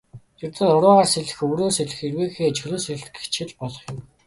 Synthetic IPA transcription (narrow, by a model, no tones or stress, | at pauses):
jirt̪ɘ̆nʊɾʊːʁaːrseɮɘ̆xɵwɾoːseɮɘ̆xirweːxeːt͡ɕʰɵɮoːseɮt̪ɡe̥t͡ɕʰɪ̆ɮpɔɮɞ̆χjɪ̆m